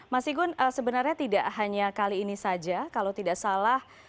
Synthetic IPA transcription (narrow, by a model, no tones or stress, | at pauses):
masiɡʊnəsəbənarɲat̪idaʔhaɲakaliːnisad͡ʒakalowt̪idaʔsalah